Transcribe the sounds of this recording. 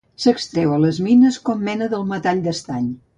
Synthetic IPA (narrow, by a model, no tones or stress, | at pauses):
səkst̪ɾɛwələzminəskɔmːɛnəðəlˠmət̪aʎd̪əst̪aɲ